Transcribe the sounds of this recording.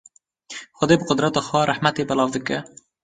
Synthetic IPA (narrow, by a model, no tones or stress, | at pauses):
xʷʊd̪eːbɨqʊd̪ɾɛt̪ɑːxwɛɾʔaħmɛt̪eːbɛlɑːvd̪ɨkɛ